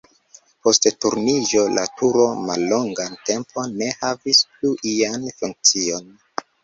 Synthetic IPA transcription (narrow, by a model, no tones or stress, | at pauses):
po̞sttuɾnid͡ʒo̞la̰tʰuɾo̞malːo̞ŋɡante̞mpʰo̞nːe̞havispluʔianfuŋk̚t͡sio̞n